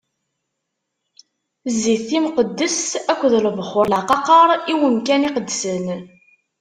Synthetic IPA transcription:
zːiθimqəd̪ːəsækʷːðlvχːʊɾlaqɑqɑɾˤiwəmkæniqəd̪ːsən

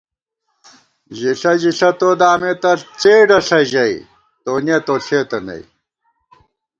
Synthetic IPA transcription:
ʑiɬɐʑiɬɐt̪oːd̪aːmet̪ɐt͡seːɖɐɬɐʑɐi | t̪oːnet̪oɬeːt̪ɐnɐ̰i

